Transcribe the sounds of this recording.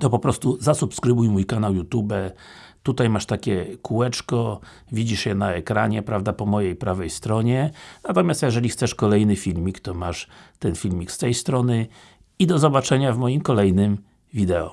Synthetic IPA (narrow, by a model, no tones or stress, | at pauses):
t̪ɔpɔpɾɔst̪uzasupskɾɘbujmujkanawjut̪ubɛ | t̪ut̪ajmaʂt̪akʲɛkʰuwɛt͡ʂkɔ | vʲid͡ʑiʂjɛnaɛkɾaɲɛpɾavd̪apɔmɔjejpɾavɛjst̪ɾɔɲɛnat̪ɔmʲjast̪jɛʐɛlʲixt̪sɛʂkɔlɛjnɘfʲilmʲikt̪ɔmaʂt̪ɛnfʲilmʲikst̪ɛjst̪ɾɔnɘ | id̪ɔzɔbat͡ʂɛɲavmɔjimkɔlɛjnɘm | vʲid̪ɛɔ̰